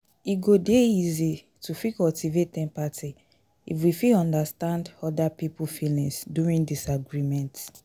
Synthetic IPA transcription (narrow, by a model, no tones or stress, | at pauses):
iɡodeizi | tʰufikɔtivetɛ̃mpati | ḭfwifiɔ̃ndastãndɔdapipufilĩŋsduɹĩndisaɡɹimɛ̃nt